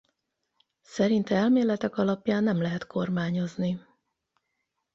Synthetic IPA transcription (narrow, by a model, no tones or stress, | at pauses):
sɛɾint̪ɛɛlmeːlɛt̪ɛkɒlɒpjaːnːɛmlɛɦɛt̪ko̞rmaːɲo̞zni